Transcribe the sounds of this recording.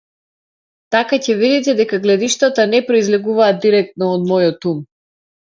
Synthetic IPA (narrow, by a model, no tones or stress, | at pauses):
t̪akacɛvid̪ɛt̪ɛd̪ɛkaɡlɛd̪iʃt̪at̪anɛpɾoizlɛɡuvaːd̪ːiɾɛk̚t̪nɔːd̪mɔjɔt̪um